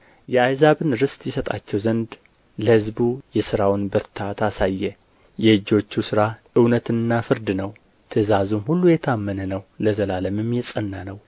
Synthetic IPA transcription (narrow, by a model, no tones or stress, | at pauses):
jɛajzaβɨnɾɨst̪jɛsət̪ʼa̰t͡ʃːɛwzənd̪ | ləhɨzbujɛsɨɾawnbəɾt̪ʰat̪ʰasajːɛ | jɛɨd͡ʒːo̞t͡ʃːusɨɾaʔɨwnət̪ʰɨnːafɨɾd̪ɨnəw | t̪ʰəzazumhulːujɛt̪ʰamːənənəwləzəlaləmɨmjɛsʼənːanəw